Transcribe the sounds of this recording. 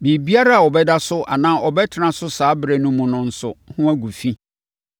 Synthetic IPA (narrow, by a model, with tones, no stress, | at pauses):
bi˨bi˦a˦ɾa˦a˨ɔ˨bɛ˦da˦sʊ˦ʔa̰˨nã˦ʔɔ˨bɛ˦tʰɪ˦nã˨sʊ˦saː˨˦bɾɛ˨nʊ̃˦mũ˨nʊ̃˦n̩˦sʊ̰˨hʊ̃˦æ˦ɡu˨fi˦